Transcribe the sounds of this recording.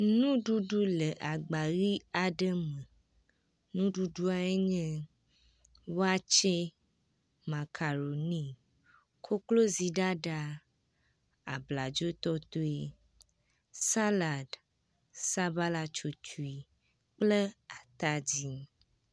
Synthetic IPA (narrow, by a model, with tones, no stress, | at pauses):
nũ˦ɖu˦ɖu˦lə˨ʔa˨ɡ͡ba˨ɣi˦a˨ɖə˦mə̃˨ | nũ˦ɖu˦ɖu˦a˨ɛ˦ɲɛ̃˦ | wo˦a˦t͡ʃɛ˦ | mã˨kʰa˨ɾo˨nĩ˦ | kʰo˦klo˦zi˨ɖa˦ɖa˦ | a̰˨bla˨d͡ʒo˦t̪ɔ˦t̪o˦e˨ | sa˦la˨d | sa˦ba˦la˦t͡ʃo˨t͡ʃu˨i˨ | k͡plə˦a˨t̪a˦d͡ʑi˦